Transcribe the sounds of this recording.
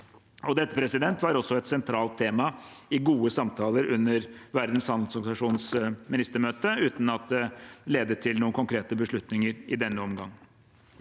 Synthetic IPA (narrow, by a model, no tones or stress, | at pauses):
ɔd̪ɛt̪ːə̥pʰɾɛsɪd̪ɛnt̪ʋɑɾɔsːɔɛt̪sɛnt̪ʰɾɑːlt̪ʰːeːmɑɪɡuːəsɑmt̪ʰɑːləɾʉnːəɾʋæɾd̪n̩shɑnsɔɡsɑʂuːnsmɪnɪst̪əmøːt̪əʉːt̪n̩ɑt̪̚d̪ɛleːd̪ət̪ʰɪlnuːənkʊŋkʰɾeːt̪əbəʂɭʉt̪nɪŋəɾɪ̰d̪ɛnːəɔmɡɑ̰ŋː